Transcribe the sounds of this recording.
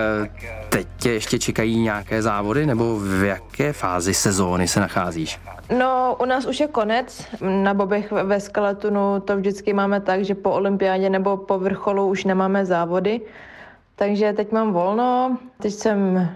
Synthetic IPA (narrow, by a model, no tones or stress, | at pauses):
t̪ɛccɛjɛʃcɛt͡ʃɛkajiːɲɛakɛːzaːvodɪnɛbo̞vjakɛːfaːzɪsɛzoːnɪsɛnaxaːziːʃ | noʔunaːsuʃjɛko̞nɛt͡snabobɛxvɛskalɛt̪unut̪ovʒdɪt͡skɪmaːmɛt̪aɡʒɛpoolɪmpɪjaːɟɛnɛbo̞povr̩xo̞luuʃnɛmaːmɛzaːvo̞dɪ | t̪aɡʒɛt̪ɛcmaːmvolnot̪ɛcsɛm